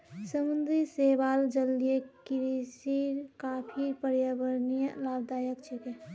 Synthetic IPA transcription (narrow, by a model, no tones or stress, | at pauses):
səmʊnd̪ʱiseːbaːld͡ʒəlijekɪɾisiːɾkaːpʰiːɾpəɾjabəɾnijalaːb̚d̪aːjəkt͡ʃʰeke